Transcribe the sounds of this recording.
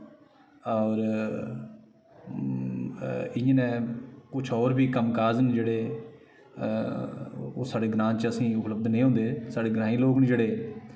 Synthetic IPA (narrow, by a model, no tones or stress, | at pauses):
ɔːɾ | ɪjẽːnɛ̃ːkʊt͡ʃʰɔːɾbiːkəmkaːzənd͡ʒeːɽeː | o̰ːsaːɖeːɡɾãːnt͡ʃəsĩːʊpləb̚d̪nẽːɦõːnd̪eːsaːɖeːɡɾãːĩːloːknĩːd͡ʒeːɽeː